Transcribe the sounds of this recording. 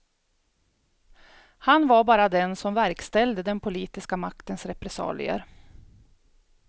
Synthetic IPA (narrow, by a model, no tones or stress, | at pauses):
hanvaɾbɑːɾad̪ɛnsɔmvæɾkst̪ɛld̪əd̪ɛnpʰʊliːt̪ɪskamakt̪ənsɾɛpɾɛsɑ̰ːlɪ̰ə̰ɾ